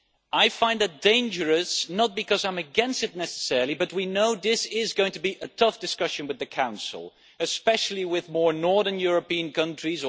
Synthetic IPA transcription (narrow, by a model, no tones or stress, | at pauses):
aɪfãɪ̃nðɨt̚d̥ẽɪ̃nd͡ʒə˞ɨsnət̚b̥ɨkʰʌzãɪ̃mɨɡɛ̃nstɨtⁿnɛsə̥sɛɹlˠibʌt̚winoʊðɪsɪzɡoʊɪ̃ŋtʰɨbiʔɨtʰʌfd̥ɨskʌʃɨ̃nwɨðɨkʰãʊ̃nsl̩ˠ | ɨspɛʃl̩ˠiwɪðmɔɹnɔɹðə̃˞njʊɹɨpiɨ̃nkʌ̃nt͡ʃɹ̥iz